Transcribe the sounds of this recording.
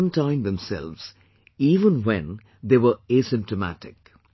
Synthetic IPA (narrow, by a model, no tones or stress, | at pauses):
mtʰãɪ̃md̪ɛ̃msɛ̰lʋz̥ | iːʋə̃nwɛ̰̃n | d̪eːʋəesɪ̃mp̚təmæ̰ʈɪk̚